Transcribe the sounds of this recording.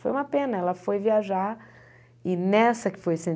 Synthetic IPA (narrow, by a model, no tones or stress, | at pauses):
fojũmɐpẽnɐɛlɐfojviaʒaɾ | ɪnɛsɐkɪ̥fojsẽ